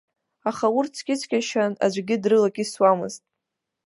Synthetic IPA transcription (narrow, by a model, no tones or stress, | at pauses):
aχaurt͡sʰkʲʼɪt͡sʰkʲʼaʃana̰d͡ʒʷɡʲɪdrɨlakʲʼiswamɨ̰ztʼ